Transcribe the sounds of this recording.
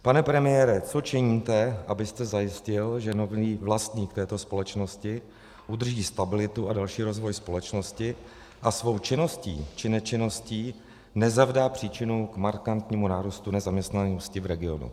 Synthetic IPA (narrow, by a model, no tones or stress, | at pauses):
panɛpɾɛmɪjɛɾɛt͡so̞t͡ʃɪɲiːmt̪ɛʔabɪst̪ɛzajɪscɪlʒɛno̞viːvlast̪ɲiːkt̪ɛːt̪o̞spo̞lɛt͡ʃno̞scɪ | ʔud̪r̩ʒiːst̪abɪlɪt̪uadalʃiːɾo̞zvo̞jspo̞lɛt͡ʃno̞scɪ | ʔasvo̞wt͡ʃɪno̞scḭːt͡ʃɪnɛt͡ʃɪno̞sciː | nɛzavdaːpr̥iːt͡ʃɪnukmaɾkant̪ɲiːmunaːɾust̪unɛzamɲɛst̪nanoscɪvɾɛɡɪo̞̰nṵ